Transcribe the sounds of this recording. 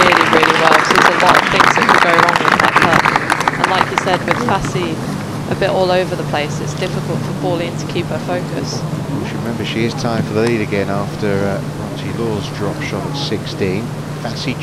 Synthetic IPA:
ɪəliɹɪːliwɛlˠʃizəlɒtəv̥θɪ̃ŋzəʔkʰəd̚ɡəʊɹɒ̃ŋə̃ðə̰ʔpʰʌkʔə̰̃nlaɪkʰjəsɛd̚wɪð̥fasi | ʔəbɪʔɔːləʊvəðəpʰl̥eɪsɪtsd̥ɪfɪkəlˠtfəbɔːlˠɪ̃ntʰə̥kʰiˑphəfəʊkə̰sʃəɹɪmɛ̃mbəʃiɪz̥tʰãɪ̃ɱfəðəliːɾəɡɛ̃nɑˑftəɹə | ɹɑ̃ntʰilɔːzdɹɒpʃɒɾətsɪkstĩːn | fasi

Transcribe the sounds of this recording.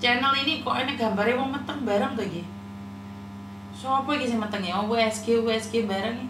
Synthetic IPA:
t͡ʃɛnəlinikoʔanaɡambarjamɔŋmət̪əŋbaɾaŋkaɡi | soapaɡis̬imət̪əŋjawɔŋɡuɛskuɛskubaɾaŋja

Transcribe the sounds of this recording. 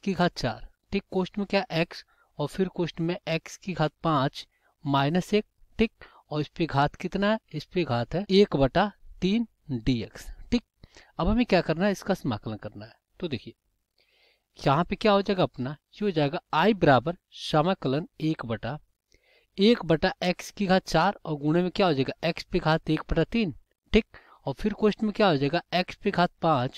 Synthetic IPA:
kiɡʱaːt̪̚ʰt͡ʃa̰ːɾ | ʈʰikːoːʃʈmẽkjaːʔɛːks | ɔːɾfʰɪɾkoːʃʈmẽɛːkskiɡʱaːt̪̚pãːt͡ʃ | maːɪnəseːk̚ʈʰik̚ | ɔːɾɪspeɡʱaːt̪ʰkɪt̪naɦɛɪspeɡʱaːt̪ʰɦɛeːkbɐʈat̪iːn | ɖiːeksʈʰiːk̚ɐbɦɐmẽkjaːkɐɾnaɦɛɪskasɐma̰ːkələnkɐɾnaɦɛ | t̪od̪eːkʰie | jɐɦãpekjaːɦoːd͡ʒaːeɡaɐpnajiɦoːd͡ʒaːeɡaaːibɪɾaːbəɾ | ʃamakələneːkbɐʈa | eːkbɐʈaɛːkskiɡʱaːt̪̚t͡ʃaːɾɔːɾɡʊɽ̃emẽkjaːɦod͡ʒaɛːɡaʔɛːkspeɡʱaːt̪eːk̚bɐʈat̪iːn | ʈʰiːk̚ | ɔːɾpʰɪɾkoʃʈmẽkjaːɦoːd͡ʒaɛɡaɛːkspeɡʱaːt̪̚pãːt͡ʃ

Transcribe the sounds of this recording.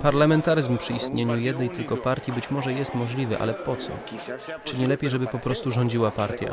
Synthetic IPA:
paɾlamɛnt̪aɾɘzmpʂɘist̪ɲeɲujɛd̪nɛjt̪ɘlkɔpaɾt̪ʲjibɘt͡ɕmɔʐɛjɛst̪mɔʐlʲivɘʔa̰lɛpɔt̪sɔ̰t͡ʂɘɲɛlɛpʲjejʐɛbɘpɔpɾɔst̪uʐɔɲd͡ʑiwapaɾt̪ʲja̰

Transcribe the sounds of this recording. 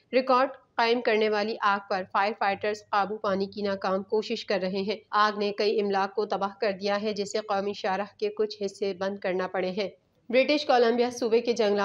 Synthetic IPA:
ɾɪkɔːɾɖqaːɪmkɐɾneʋaːliʔaːɡ̚pɐɾfaːɪɾfaːɪʈəɾzqaːbupaːnikinaːkaːmkoːʃɪʃkɐɾːɐɦeɦɛ̃ːaːɡnekɐiɪmlaːk̚kːot̪ɐbaːɦkɐɾd̪ijaɦɛd͡ʒɛseqɔːmiʃaːɾəɦkekʊt͡ʃʰɦɪsːebɐ̃nd̪̚kɐɾnapɐɽeɦɛ̃ː | bɾɪʈɪʃkɔːlɐ̃mbijasuːbeked͡ʒɐ̃ŋɡla

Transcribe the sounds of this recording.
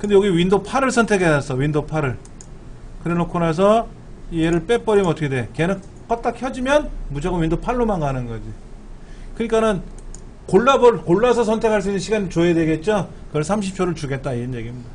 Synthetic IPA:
kɯndejoɡiwindopʰaɾɯɭsʰʌntʰe̞kʰeas͈ʰʌwindopʰaɾɯɭ | kɯɾenokʰonas̬ʰʌ | ieɾɯɭp͈ep͈ʌɾimʌtʰʌkʰedekenɯn | k͈ʌt̚t͈ak̚çjʌd͡ʑimjʌnmud͡ʑʌɡomwindopʰaɭːomanɡanɯnɡʌd͡ʑi | kɯɲik͈anɯn | koɭːabʌɭkoɭːas̬ʰʌsʰʌntʰe̞kʰaɭs̬͈uinːɯnɕʰiɡaɲit͡ɕoedwe̞ɡe̞t̚t͡ɕ͈o | kɯʌɭsʰamɕ̬ʰip̚t͡ɕʰoɾɯɭt͡ɕuɡe̞t̚t͈aiɾʌnje̞ɡimɲida

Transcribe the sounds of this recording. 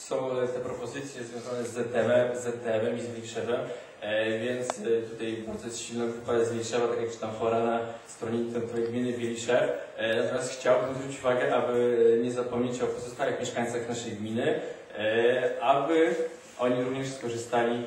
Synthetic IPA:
sɔ̃w̃t̪ɛpɾɔpɔzɘt̪sʲjɛzvʲjɔ̃zanɛzɛt̪ɛmɛmzɛt̪ɛɛmɛmizvʲiŋkʂɛvɛm | vʲjɛnt̪st̪ut̪ajbaɾd̪ɔjɛst̪ɕilnɔvɨpad̪ɛzvʲĩkʂɛvat̪akjak̚t͡ʃɘ̥t̪amfɔɾanast̪ɾɔɲit̪ɛmt̪ɔvjɡmʲinɘbʲjelʲiʂɛf | nat̪ɔmʲjast̪xt͡ɕawbɘmzvɾut͡ɕt͡ɕuvaɡɛʔabɘɲɛzapɔmɲet͡ɕɔkɔzɨst̪awaxmʲjɛʂkaɲ̃t̪saxnaʂɛjɡmʲinɘ | ʔabɘ | ʔɔɲiɾuvɲɛʂskɔʐɘst̪alʲi

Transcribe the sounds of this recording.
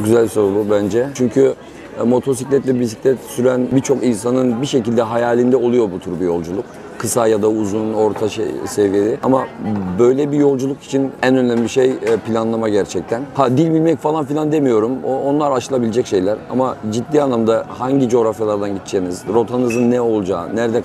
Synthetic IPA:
oɟyzælʲso̞ɾbubænd͡ʒɛt͡ʃʰyɲcʰy | mo̞t̪ʰo̞s̬iclʲɛt̪lʲɛbis̬i̥cʲlʲɛt̪syɾænbit͡ʃʰo̞kinsanɯnbiʃe̞cilʲd̪ɛɦajaːlʲind̪ɛo̞lˠujo̞but̪ʰuɾbujo̞lˠd͡ʒulˠuk̚ | kʰːɯsajad̪auzuno̞ɾt̪ʰaʃḛsevijeɾɪamabøjlʲɛbijo̞lˠd͡ʒulˠuki̥t͡ʃʰinænø̞nlʲæmʲiʃejpʰilʲanlˠamaɟæɾt͡ʃʰɛc̚t̪ʰænhad̪ilʲbilʲmɛcfalˠanfilʲˠand̪emijo̞ɾumoonlˠaɾaʃɯlˠabilʲed͡ʒɛcʃe̞jlʲæɾa̰mad͡ʒid̪ːiːanlˠamd̪ahaɲɟid͡ʒo̞ɾafjalˠaɾd̪anɟit̪t͡ʃʰeːmizɾo̞t̪ʰanɯzɯnːɛo̞lˠd͡ʒa̰ːnæɾd̪ɛ

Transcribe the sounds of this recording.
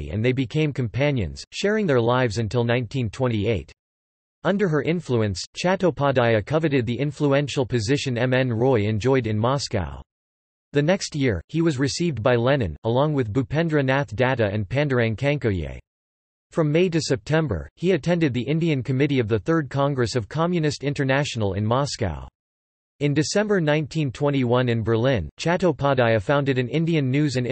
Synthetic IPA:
ɨ̰̃nðeɪbɨkʰẽɪ̃mkʰɨ̃m̩pʰæ̃njɨ̰̃nz̥ʃɛɹɪ̃ŋðə˞laɪvzɨ̃ntʰɪlˠnãɪ̃ntʰĩntʰw̥ɛ̃ñtieɪt | ʌ̃ndə˞ə˞ʔɪ̃ɱfluɨ̃nst͡ʃʰæɾoʊpʰɑdaɪɨkʰʌvɨɾɨd̪̚ðiʔɪ̃ɱfluɛ̃nʃl̩ˠpʰɨzɪʃɨ̃nɛ̃mɛ̃nɹɔɪɨ̃nd͡ʒɔɪɾɨ̃nmɑska̰ʊ | ðɨnɛkst̚jɪɹiwʌzɹɨsivdbaɪlɛnɨ̰̃nəlɔ̃ŋwɨðbʉpʰɛ̃ndɹɨnæθd̥æɾɨɨ̰̃npʰæ̃ndə˞æ̃nkʰæ̃ŋkoʊjḛɪ | fɹʌ̃mːeɪɾɨsɛp̚tʰɛ̃mbə̰˞iɨtʰɛ̃ndɨd̪̚ðiʔɪ̃ndiɨ̃nkʰɨmɪɾiʌvðɨθɜ˞d̚kʰɑ̃ŋɡɹɨsʌv̥kʰɑmjɨnɨstɪ̃ntə˞næʃn̩l̩ˠɪ̰̃nmɑska̰ʊ | ɨ̃ndɨsɛ̃mbə˞nãɪ̃ntʰĩntʰw̥ɛ̃ɾ̃iwʌ̃nɨ̃nbə˞lɪ̃nt͡ʃʰæɾoʊpʰɑdaɪɨfãʊ̃ndɨɾɨ̃nɪ̃ndiɨ̃nːʉzɨ̃n

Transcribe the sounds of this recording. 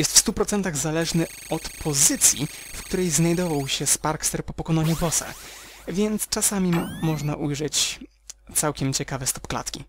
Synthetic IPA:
jɛst̪fst̪upɾɔt̪sɛnt̪aɣzalɛʐnɘ | ɔt̪pʰɔzɘt̪sʲjḭfkt̪uɾɛjznajd̪ɔvawɕɛspaɾkst̪ɛɾpɔpɔkɔnɔɲubɔsɛ̰vʲjɛnt̪st͡ʂasamʲimɔʐnaʔujʐɛt͡ɕ | t̪sawkʲɛmt͡ɕɛkavɛst̪ɔ̥pkla̰t̪kʲi

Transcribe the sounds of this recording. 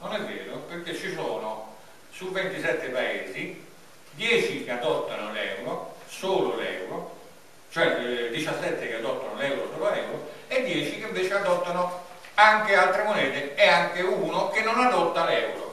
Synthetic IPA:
nonɛvːɛːɾoperk̟et͡ʃːisoːno | suvːent̪isɛt̪ːɪpaeːzi | d̪jɛːt͡ʃik̟ead̪ɔt̪ːanʊlɛːwɾosoːlolɛ̰ːwɾo | t͡ʃoɛd̪it͡ʃasːɛt̪ːɪkead̪ɔt̪ːanolɛwɾosoːlʊalɛːwɾoed̪ːjɛːt͡ʃikeɪɱveːt͡ʃɪad̪ɔt̪ːano | aŋk̟ɪalt̪ɾemonɛːt̪ɪɛaŋkeuːnok̟enːonad̪ɔt̪ːalɛːwɾo̰

